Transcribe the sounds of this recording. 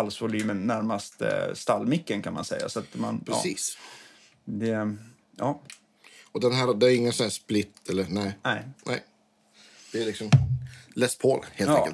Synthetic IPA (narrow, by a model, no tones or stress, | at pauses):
alsvʊlyːmənːæɾmast̪st̪alːmɪkːənkʰanma̰nsɛ̰jːa̰sɔat̪ma̰nʰɾɛ̰ːsiːs | d̪ɛ | jɑː | ɔd̪ɛnɦæːɾɔd̪ɛæɾɪŋːənsɔnæːʂplɪt̪ʰːɛlːəɾnæɪnɛɪnɛ̰ɪ | d̪̥ɛælɪksɔmlɛspʰoːlheːlɑɛːəl